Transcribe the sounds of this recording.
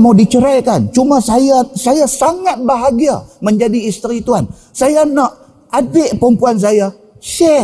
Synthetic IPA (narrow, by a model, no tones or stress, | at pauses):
mawdit͡ʃəɾajkant͡ʃumasajasajasaŋat̪̚baɦaɡia̰məɲd͡ʒadiːst̪ɾit̪uan | sajanaʔ | adɪʔpəɾəmpuans̬aja | ʃɛ